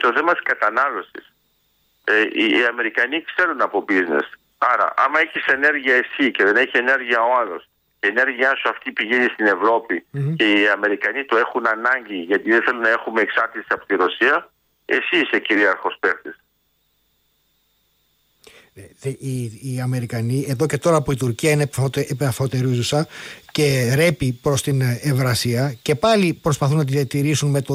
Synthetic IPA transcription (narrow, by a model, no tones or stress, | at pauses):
t̪o̞θe̞mɐt̪i̥skɐt̪ɐnɐlo̞sḭs | eiːɐme̞ɾikɐnikse̞ɾunɐpo̞bizne̞̰s | ɐɾɐ̰ʔɐmɐe̞çise̞ne̞ɾʝiɐe̞sice̞ðe̞neçie̞ne̞ɾʝiɐo̞ɐlo̞s | cene̞ɾʝiɐsuɐft̪ipiʝenist̪ine̞vɾo̞pice̞iɐme̞ɾikɐnit̪o̞e̞xunɐnɐɲɟiʝɐt̪iðeθe̞lunɐe̞xumeːksɐɾt̪it̪sɐpo̞t̪iɾo̞siɐ | e̞̰siseciɾiɐɾxo̞speɾt̪es | eðiːɐme̞ɾikɐnie̞ðo̞ce̞t̪o̞ɾɐːpoit̪uɾciɐinet̪epefot̪e̞ɾizusɐce̞ɾe̞pipɾo̞st̪inevɾɐsiɐce̞pɐlipɾo̞spɐθunɐt̪iðiɐt̪iɾisunme̞t̪o